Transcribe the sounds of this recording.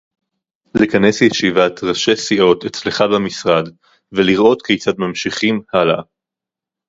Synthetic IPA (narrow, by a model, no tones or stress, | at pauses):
likane̞sjeʃivat̪ʁaʃe̞siʔo̞tet͡sleχabemisʁad | veliʁʔo̞tkejt͡sadmamʃiχimhala